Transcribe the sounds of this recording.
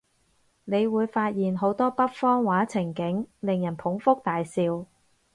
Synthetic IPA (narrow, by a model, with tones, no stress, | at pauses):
ne˨˧jwuː˨˧jfaː˧t̚jiː˨˩nɦo˨˥wt̪ɔː˥pɐ˥t̚fɔː˥ŋwaː˨˥t͡sʰɪ˨˩ŋkɪ˨˥ŋlɪ˨ŋjɐ˨˩npʰʊ˨˥ŋfʊ˥k̚t̪aː˨jsiː˧w